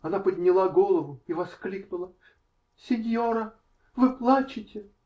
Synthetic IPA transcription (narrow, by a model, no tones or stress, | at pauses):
ɐnapəd̪ʲnʲɪlˠaɡolˠəvʊivɐsklʲiknʊlˠə | sʲɪnʲjoɾə | vɨplˠat͡ɕɪtʲɪ